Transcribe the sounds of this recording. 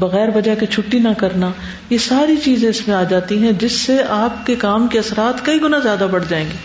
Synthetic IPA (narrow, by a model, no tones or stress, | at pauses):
bɐɣɛːɾʋɐd͡ʒakit͡ʃʰʊʈːinakɐɾna | jesaːɾit͡ʃiːzẽɪsmẽaːd͡ʒaːt̪iɦɛ̃d͡ʒɪsːeʔaːp̚kekaːmkeɐsɾaːt̪kɐiɡʊnazjaːd̪abɐɽ̤d͡ʒaːẽːŋɡeː